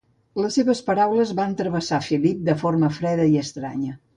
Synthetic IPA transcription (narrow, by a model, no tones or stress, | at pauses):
ləsːeβəspəɾawləzβant̪ɾəβəsafilip̚d̪əforməfɾɛðəiəst̪ɾa̰ɲə